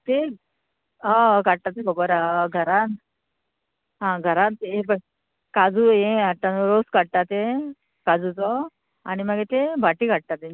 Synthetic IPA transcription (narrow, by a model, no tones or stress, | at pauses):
t̪e | ãkaɽ̚t̪at̪ebəɡoɾaɡʱəɾan | ɦãɡʱəɾant̪ebə | kad͡zujẽaʈ̪ːanoɾoskaɽ̚t̪at̪ẽ | kad͡zut͡sɔ | añiməɡet̪ebʱaʈikaʈ̚t̪at̪ẽ